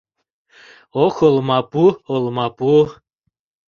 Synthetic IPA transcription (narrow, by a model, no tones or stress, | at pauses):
oxolmɑpuolˠmɑpu